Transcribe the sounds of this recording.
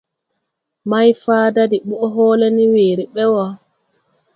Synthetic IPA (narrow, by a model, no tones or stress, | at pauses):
majfaːdadiɓuʔɔɦɔːlɛniweːɾiɓɛwɔ